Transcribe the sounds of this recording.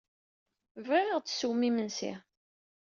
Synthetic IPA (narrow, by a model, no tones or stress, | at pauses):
vʁiʁəʁt͡sːsuwmimənsḭ